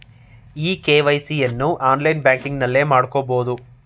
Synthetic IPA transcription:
iːkeːʋɐjsienːuʔaːnlɐjnbjaːŋkiŋɡnɐlːe̞ːmaːɽukoːbo̞ːd̪u

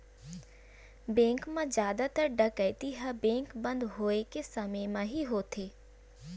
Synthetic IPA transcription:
bẽːŋkmãd͡ʒjaːd̪at̪ɐɾɖɐkəɪt̪iɦɐbẽːŋkbɐ̃nd̪ɦoːekesɐmemãɦiɦoːt̪ʰeː

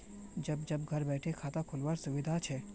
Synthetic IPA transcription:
d͡ʒɐbd͡ʒɐbɡʱɐɾbɛːʈʰekʰaːt̪akʰʊlwaːɾsʊʋɪd̪ʱat͡ʃʰɛː

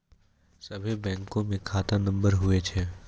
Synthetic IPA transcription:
sɐbʱebɛ̃ːŋkõmẽkʰaːt̪anɐ̃mbəɾɦʊet͡ʃʰɛː

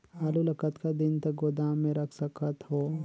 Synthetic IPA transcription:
aːlulɐkət̪kad̪ɪnt̪ɐɡoːd̪aːmẽɾɐkʰsɐkət̪ɦoː

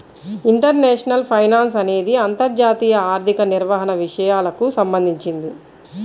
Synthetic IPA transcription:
iɳʈɐɾneːʂɐnɐlpʰɐjnaːns̬ɐne̞ːd̪iɐnt̪ɐɾd͡ʒaːt̪iːjɐaːɾt̪ikɐniɾʋaːɦɐnɐʋiʂɐjaːlɐkusɐmbɐnd̪ʱiɲt͡ʃind̪i

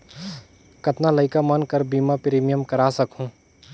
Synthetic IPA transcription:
kɐt̪naləɪkamɐnkəɾbiːmapɾiːmijəmkɐɾasɐkɦũː

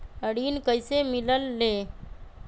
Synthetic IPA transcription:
əɽiːnkəɪsemɪləlːe

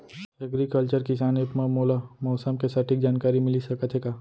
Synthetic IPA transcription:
ɐɡɾikəlt͡ʃəɾkisaːnepmamoːlamɔːsəmkesaʈʰik̚d͡ʒaːnkaːɾimɪlisɐkət̪ɦekaː

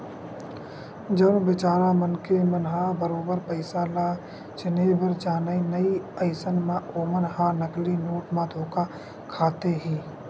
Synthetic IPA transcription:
d͡ʒəɾbɪt͡ʃaːɾamənkemənɦaːbəɾoːbəɾpəɪsalaː | t͡ʃɪneːbəɾd͡ʒaːnəinəiəɪsənmãoːmənɦaːnəklinoːʈmãd̪ʱoːka | kʰaːt̪eɦĩː

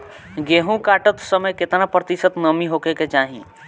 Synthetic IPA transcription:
ɡeːɦũkaːʈət̪səməjkɪt̪napɾət̪isət̪nəmiɦoːkeket͡ʃaːɦḭ̃

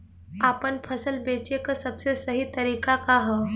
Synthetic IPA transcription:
aːpənpʰəsəlbeːt͡ʃekasɐbsesɐɦit̪ɐɾiːkakaɦɛ

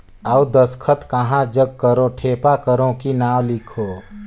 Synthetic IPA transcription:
əd̪əskʰət̪kəɦãd͡ʒəɡ̚kəɾoʈʰeːpakəɾõkinaːwlɪkʰoː

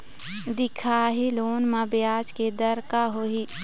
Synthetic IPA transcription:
d̪ɪkʰaːɦiloːnmãbɪjaːd͡ʒked̪əɾkaɦoɦi

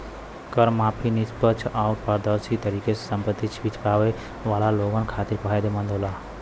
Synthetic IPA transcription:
kəɾmapʰinispət͡ʃʰawuʈpəɾd̪əsit̪əɾikesesəmpət̪ːit͡ʃʰbit͡ʃʰpaʋe | ʋaːlaloɡənkʰat̪iɾpəɦed̪emə̃nd̪ʱola

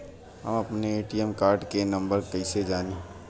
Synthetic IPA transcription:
ɦɐ̰mɐpneeːʈiɛmkaːɾɖkenɐ̃mbəɾkɐɪsed͡ʒaːniː

